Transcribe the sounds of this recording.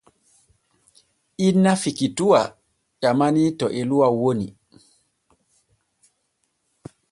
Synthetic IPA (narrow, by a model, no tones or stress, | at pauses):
ʔinːafikituwa | ɗamanitɔʔɛluwawoni